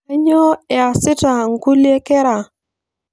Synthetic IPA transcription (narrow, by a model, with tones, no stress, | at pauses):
ɛ˦ɲɔ˦ɛ˨a˨sɪ˦ta˨ŋ̩˦ku˦lje˦kɛ˦ɾa˨